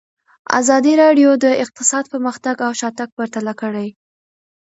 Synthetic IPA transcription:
a̰zɑd̪iɾɑɖjod̪əɪq̚t̪ɪsɑd̪̚pəɾməxt̪aɡawʃɑt̪aɡ̚pəɾt̪alakəɽaj

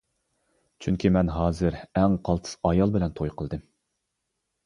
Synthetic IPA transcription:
t͡ʃʰyŋkʲʰimɛnɦɑːzɨɾɛŋqʰɑlˠt̪ʰɨ̥sɑjɑlˠbɪlɛnt̪ʰojqʰəlˠd̪ɨm

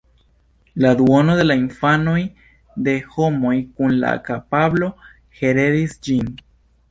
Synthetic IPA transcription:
lad̪wono̞d̪e̞lainfanoj | d̪e̞ho̞mo̞jkunla̰kapablo̞ | he̞ɾe̞ɾisd͡ʒin

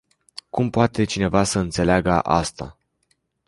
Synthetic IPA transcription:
kumpoat̪e̞t͡ʃine̞vasəɨnt̪se̞leaɡəʔa̰st̪a̰

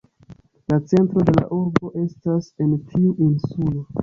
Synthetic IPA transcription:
lat͡se̞ntɾo̞de̞la̰ʔuɾbo̞ʔe̞stase̞ntʰiuʔinsulo̞

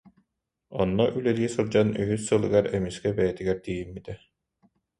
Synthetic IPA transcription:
ɔ̰nːɔʔylɛɾiɛsuɾd͡ʑanyɦysːɯlˠɯɡaɾɛmiskɛbɛjɛt̪iɡɛɾd̪iːjimːit̪ɛ

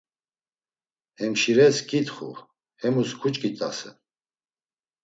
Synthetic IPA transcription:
hɛmʃiɾɛskʼit̪χṵ | hɛmuskʰut͡ʃʼkʼit̪ʼa̰sɛ̰

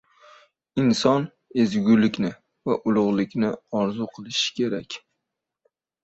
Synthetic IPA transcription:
ɪnsɒn | e̞zɡʲʊlɪkʲnɪ | vaʔʊlˠʊʁlˠɪkʲnɪɒɾzʊqʰɨlˠɪʃɪ̥kʲʰe̞ɾakʲ

